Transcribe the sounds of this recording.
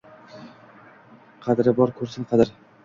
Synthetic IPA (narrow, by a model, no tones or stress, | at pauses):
qʰɑd̪ɪɾɪbɒɾkʲʰɵɾsɪnqʰɑd̪ɪɾ